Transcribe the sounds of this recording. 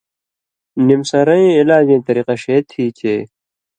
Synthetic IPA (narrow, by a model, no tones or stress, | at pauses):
nimsɐɾɐ̃ĩilaːd͡ʑẽːt̪ɐɾiːqɐɕeːt̪ʰiːt͡ɕeː